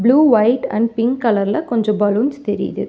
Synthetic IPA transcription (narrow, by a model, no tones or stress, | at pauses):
bluːʋɐɪʈɐ̰ɳɖ̚pɪŋkkːɐlɐɾɪlɐkɔɲd͡ʒɔ̃bɐlund͡ʒt̪ɛɾɪ̰jðɯ̰